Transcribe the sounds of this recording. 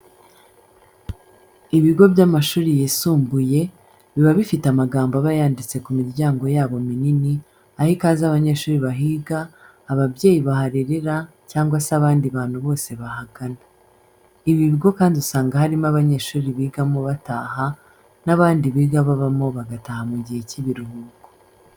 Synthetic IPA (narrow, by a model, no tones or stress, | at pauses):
iβiɡo̞bjamaʃuːɾijesuːmbuje̞ | βiβaβifitamaɡaːmboaβajaːndit͡se̞kumiɾɟaːŋɡo̞jaːβo̞minini | ahikaːzaβaɲe̞ːʃuːɾiβaɦiːɡaː | βabɟe̞ːjiβaɦaɾiɾeɾa | caːŋɡwasaβaːndiβaːn̥huβo̞ːse̞βahaɡana | iβiβiɡo̞kaːndiusaːŋɡahaɾimaβaɲe̞ːʃuːɾiβiːɡamo̞βataːɦa | naβaːndiβiːɡaβaβamo̞βaɡatahamuɟihe̞ciβiɾuhuɡo̥